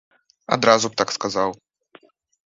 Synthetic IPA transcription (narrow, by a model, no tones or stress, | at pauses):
a̰d̪ɾazup̚t̪akskazaw